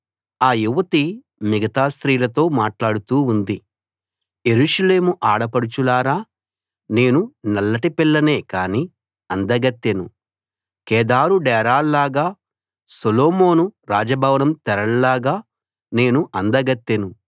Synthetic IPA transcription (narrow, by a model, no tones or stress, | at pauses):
aːjuʋɐt̪i | miɡɐt̪aːst̪ɾiːlɐt̪o̞ːmaːʈlaːɽut̪uːnd̪i | je̞ɾuːʂɐle̞ːmuʔaːɽɐpɐɽut͡ʃulaːɾaː | ne̞ːnunɐlːɐʈipilːɐne̞ːkaːni | ɐnd̪ɐɡɐt̪ːenu | kɛːd̪aːɾuɖɛːɾaːlːaːɡaː | soloːmo̞ːnuɾaːd͡ʒɐbʱɐʋɐnɐmt̪ɛɾɐɽɐlaːɡaː | ne̞ːnuʔɐnd̪ɐɡɐt̪ːenu